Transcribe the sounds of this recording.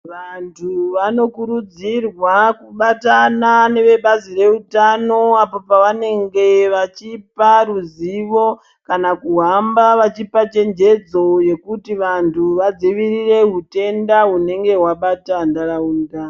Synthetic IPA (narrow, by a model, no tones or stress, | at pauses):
ʋantʰuʋano̞kuɾud͡zirwakuɓatanane̞ʋe̞ɓazire̞utano̞apo̞paʋane̞ŋɡe̞ʋat͡ʃiparuziʋo̞ | kanakuɦambaʋat͡ʃipat͡ʃe̞nd͡ʒe̞d͡zo̞je̞kutiʋantʰuʋad͡ziʋirire̞ɦute̞ndaune̞ŋɡe̞waɓatandaraunda